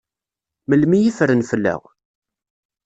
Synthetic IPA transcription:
məlmijifɾənfəlːə̰ʁ

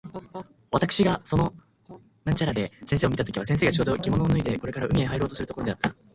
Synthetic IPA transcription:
βat̪akɯ̟ɕiɡaso̞no̞ | nãɲ̟t͡ɕaɾad̪e̞sẽseːomit̪at̪o̞kʲiβasẽse̞ːɡat͡ɕoːd̪o̞kʲimo̞noːnɯ̟id̪e̞ko̞ɾe̞kaɾaʔɯ̟mʲiẽɦaiɾo̞ːt̪osɨɾɯt̪oko̞ɾde̞at̪ːa

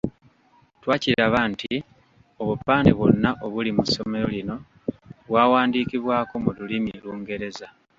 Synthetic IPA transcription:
twaːciɾaβanti | o̞βupːaːneβo̞̰nːaʔo̞βulimuso̞me̞ɾo̞lino̞ | βwaːwaːndiːkiβwaːko̞mululimieluːŋɡe̞ɾe̞za

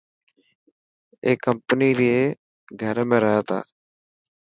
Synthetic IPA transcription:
eːkəmpəniːɾieː | ɡʱəɾmẽːɾəɦaːt̪ʰa̰ː

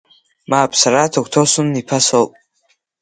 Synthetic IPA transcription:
maːpʰsaɾatʰakʷʰtʰosunːipʰasolpʼ

